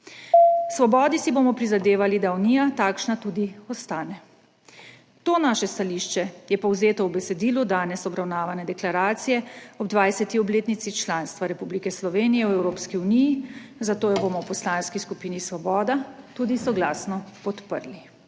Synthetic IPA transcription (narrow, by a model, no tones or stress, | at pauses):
sʋɔbɔːd̪isibomɔpɾizad̪eːʋalid̪auniːjat̪aːkʃnat̪uːd̪iɔst̪aːnɛ | t̪oːnaːʃɛst̪aliʃt͡ʃɛjɛpɔwzeːt̪ɔwbɛsɛd̪iːlud̪aːnɛsɔbɾawnaːʋanɛd̪ɛklaɾaːt̪sijɛɔbd̪ʋajsɛt̪iɔbleːt̪nit̪sit͡ʃlaːnst̪ʋaɾɛpublikɛslɔʋeːnijɛwɛwɾoːpskiunijizat̪oːjɛbomɔwpɔslaːnskiskupiːnisʋɔbɔːd̪at̪ud̪isɔɡlaːsnɔpɔt̪pə̰ɾli